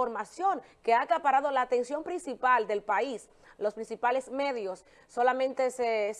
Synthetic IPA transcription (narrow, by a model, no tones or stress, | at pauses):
oɾmasjo̞ŋke̞akapaɾað̞o̞laːt̪e̞nsjo̞mpɾinsipald̪e̞lpais | lospɾinsipale̞sme̞ðjosː | o̞lamẽnt̪eses